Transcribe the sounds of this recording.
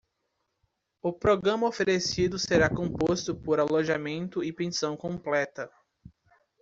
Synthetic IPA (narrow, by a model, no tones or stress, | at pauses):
ʊpɾoɡɾɐ̃mɐofeɾesid̪ʊseɾakõmpost̪ʊpoɾaloʒamẽnt̪ʊɪpẽsɐ̃w̃kõplɛt̪ɐ